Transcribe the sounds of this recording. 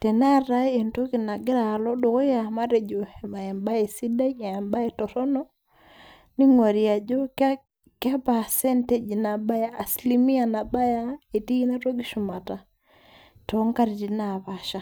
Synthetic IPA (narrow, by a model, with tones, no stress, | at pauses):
te˨na˦ɾa˦e˨nto˦ki˨na˨ɡɛ˦ɾa˨lɔ˦do˨ɣo˦ja˨ma˦ɾe˨d͡ʒo˨ma˨e˨mba˦e˨si˦da˦ɲa˨e˨mba˦e˨tɔ˨ɾɔ˦nɔ˦ | ni˦ŋwa˨ɾi˨a˨d͡ʒo˦k | ka˦pa˨sɛ˦nte˦d͡ʒna˨ba˦jaː˦˨sli˦mi˦a˨na˨ba˦ja˦e˨ti˦i˦na˦to˦ɡi˦ʃu˨ma˨ta˨ | tɔ˨˦ŋka˦ɾi˨ti˨na˨βa˨ʃa˨